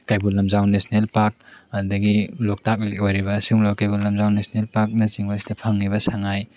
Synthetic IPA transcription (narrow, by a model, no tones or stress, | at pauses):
kajbulːɐmzawnesnelpak̚ɐdɐɡilɔk̚tak̚lekojɾibɐsiumlakajbulːɐmzawnesnelpak̚nɐziŋmasi̥dɐpʰaŋniβɐsaŋaj